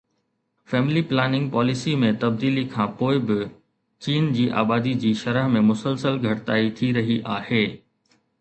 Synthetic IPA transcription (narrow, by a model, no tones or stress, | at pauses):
fɛːmɪliplɛːnɪ̃ŋɡ̚pɔːlɪsimẽt̪ɐb̚d̪iːlikʰãːpoːɪbɪ | t͡ɕiːnd͡ʑiːʔa̰ːbaːd̪id͡ʑiːʃɐɾəɦmẽmʊsəlsəlɡʱɐʈɪt̪aːit̪ʰiɾɐɦiʔaːheː